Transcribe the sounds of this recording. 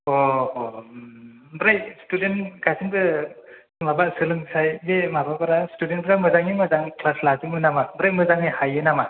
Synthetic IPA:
ɔ | bɾajstudenɡasiŋbɯ | mabaʔsɯlɯŋsajbemababaɾastudenpɾamɯzaŋimɯzaŋklaslazɯŋɯnamabɾaj̚mɯzaŋɯjhajɯnama

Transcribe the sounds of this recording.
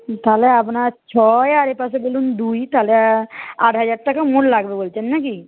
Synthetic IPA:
t̪aleap̬nat͡ʃʰɔjaɾepasebolund̪ujt̪aleaʈɦəd͡ʒaɾʈakamoʈlaɡbebolt͡ʃʰenːaki

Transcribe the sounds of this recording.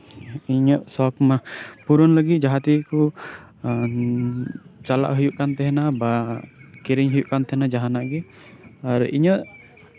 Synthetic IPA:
iɲɔʔsɔkmapuɾɔnləɡit̪̚d͡ʒaɦat̪ikɔ | t͡ʃala̰ʔɦujuʔkant̪ɛɦɛnabakiɾiɲɦujuʔkant̪ɛɦɛnad͡ʒaɦanaʔɡɛ | aɾḭɲɔʔ

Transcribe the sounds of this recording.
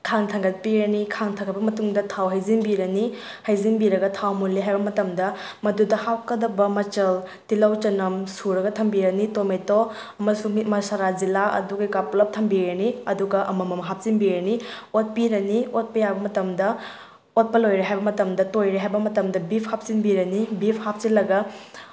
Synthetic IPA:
kʰaŋtʰɐŋɡɐt̚piɾɐnikʰaŋtʰɐŋɡɐbɐmɐtuŋdɐtʰawɦɐjzinbiɾɐni | hɐjzinbiɾɐɡɐtʰawmulːiɦajbɐmɐtɐmdɐ | mɐdudɐhawkɐdɐbɐmɐt͡ʃɐl | tilɐwt͡ʃɐnɐmsuɾɐɡɐtʰɐmbiɾɐnitomejto | ɐmɐsuŋimɐsaɾazilaɐ̰duɡɐjkaplɐp̚tʰɐmbiɾɐniɐduɡɐʔɐ̰mɐmɐmɐɦap̚zinbiɾɐniot̚piɾɐniot̚pɐjabɐmɐtɐmdɐ | ot̚pɐlojɾiɦajbɐmɐtɐmdɐtojɾiɦajbɐmɐtɐmdɐbipʰhap̚sinbiɾɐnibipʰhap̚silɐɡɐ

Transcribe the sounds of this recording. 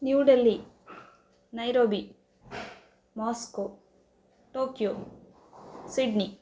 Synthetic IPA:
njuːɖelːi | nɐjɾoːbi | maːsko | ʈoːkjo | siɖni

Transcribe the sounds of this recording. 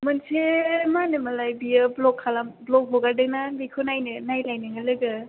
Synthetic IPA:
mɐnsemanɯmɐlajbiɯblɔkʰːalablɔk̚ɦoɡadɯnabikʰɯnajnɯnajlajnɯŋɯlɯɡɯ

